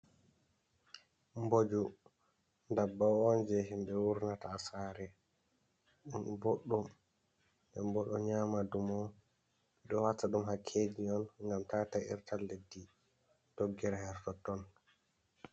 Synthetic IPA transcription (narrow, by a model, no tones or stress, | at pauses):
mbod͡ʒu | ndabːawɔnd͡ʒɛɦimbɛwuɾnataːsaːɾɛ | ɗumboɗːum | ɛmbɔɗɔɲaːmadumɔ | ɗɔwataɗumɦakʰːeːd͡ʒiɔnŋɡamtaːtaḭɾtʰalːedːi | d̥oɡːɛɾahɛɾtɔtɔn